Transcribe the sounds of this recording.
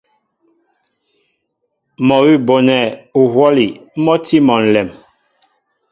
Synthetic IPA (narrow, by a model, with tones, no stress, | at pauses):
mɔ˨ɣi˦˨bo˨nɛ˨u˨hwɔ˦li˨˦mɔ˦ti˦mɔ˨n̩˨lɛ˨m